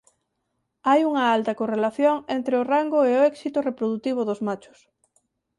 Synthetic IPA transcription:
ajuŋɐalt̪ɐkorelaθjoŋent̪ɾeoraŋɡoeoɛksit̪ʊrepɾoðut̪iβ̞oðozmat͡ʃʊ̥s

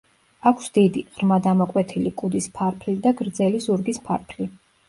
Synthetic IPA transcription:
akʰsd̪id̪iʁɾmad̪amɔkʼwɛt̪ʰilikʼud̪ispʰaɾpʰlid̪aɡɾd̪zɛlizuɾɡispʰa̰ɾpʰli

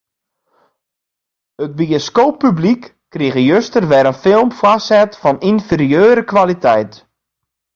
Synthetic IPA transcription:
əd̚bioskoːpːyblikːriɣəjøstərʋɛɾənfɪlˠmfwasɛtfɔninfeɾjøːɾəkʋalitʰɛjt

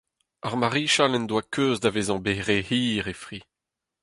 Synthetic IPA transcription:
aʁmaʁiːʃalɛnd̪wakʰøːzdaveːzɑ̃beʁehiːʁefʁi

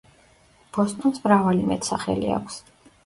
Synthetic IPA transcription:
b̥ɔst̪ʼɔnsmɾavalimɛt̪ʰsaχɛ̰lia̰kʷʰs

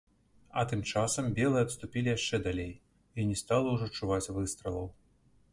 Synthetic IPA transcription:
ɐ̰t̪ɨmt͡ʂasɐmbʲɛlˠɨjɛɐt̪st̪upʲilʲijaʂt͡ʂɛd̪alʲej | inʲɛst̪alˠɐwʐɔt͡ʂːuvat͡sʲvɨst̪ɾɨlˠɐw

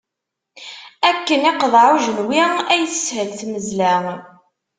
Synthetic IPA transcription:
ækːənɪqəðˤʕuʒənwiæjθəshəlθməzlæ

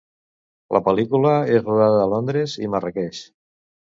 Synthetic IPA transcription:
lʔə̰pəlikuləezruðaðəːlond̪ɾezḭmərəkɛʃ

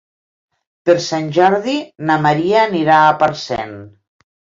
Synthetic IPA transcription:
peɾsanʲʒɔɾðinamaɾianiɾaːpaɾsɛ̰n

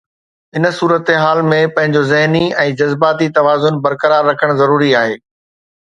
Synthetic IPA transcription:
ɪnsuːɾət̪ɦaːlmẽpɐ̃ɦɪ̃ɲd͡ʑozɪɦniɛ̃ːd͡ʑɐzbaːt̪it̪ɐʋaːzʊnbɐɾkəɾaːɾːɐkʰəɽ̃zɐɾuːɾiaːɦeː

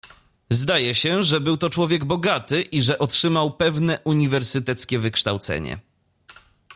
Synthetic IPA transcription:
zd̪ajɛɕɛʐɛbɘwt̪ɔt͡ʂwɔvʲjɛɡbɔɡat̪ɘʔiʐɛʔɔtʂɘmawpɛvnɛʔuɲivɛɾsɘt̪ɛt̪skʲɛvɘkʂt̪awt̪sɛ̰ɲɛ̰

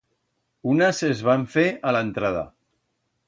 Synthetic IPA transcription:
unəzezβaɱfealənt̪ɾað̞a̰

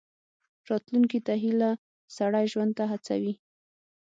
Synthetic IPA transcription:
ɾɑt̪luŋkit̪aɦila | saɽajʒwand̪̚t̪aɦat͡sa̰wi

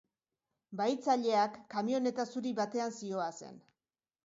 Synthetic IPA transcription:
bajt͡saʎe̞akːamio̞ne̞t̪asuɾiβat̪e̞ansio̞ase̞̰n

